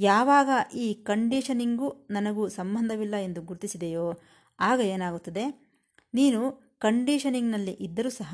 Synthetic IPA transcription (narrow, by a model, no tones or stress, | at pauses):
jaːʋaːɡɐʔiːkɐɳɖiːʂɐniŋɡunɐnɐɡusɐmbɐnd̪ʱɐʋilːɐe̞nd̪uɡuɾut̪isid̪ejoː | aːɡɐe̞ːnaːɡut̪ːɐd̪e̞ | niːnu | kɐɳɖiːʃɐniŋnɐlːiʔid̪ːɐɾuːsɐɦɐ